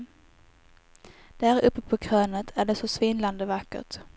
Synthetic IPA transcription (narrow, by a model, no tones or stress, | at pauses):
d̪̥æɾɵpːəpʰɔkʰɾøːnət̪ʰæɖɛsɔsvɪnland̪əvakːə̰ʈ